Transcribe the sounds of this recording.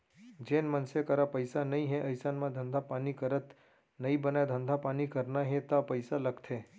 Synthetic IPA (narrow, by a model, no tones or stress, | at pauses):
d͡ʒenmənsekəɾapəjsanəĩɦeʔəjsanmãd̪ʱənd̪ʱapanikəɾət̪ | nəĩbənaed̪ʱənd̪ʱapanikəɾnaɦẽt̪apəjsaləɡt̪ʰe